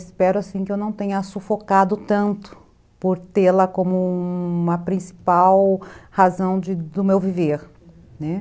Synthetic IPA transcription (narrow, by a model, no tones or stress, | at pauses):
spɛɾʊasĩkɪewnɐ̃w̃t̪ẽɲɐsufokad̪ʊt̪ɐ̃nt̪ʊ̥ | poɾt̪elɐkõmʊumɐpɾĩsi̥pawhazɐ̃w̃d͡ʒɪd̪ʊmewviveɾ | nɛ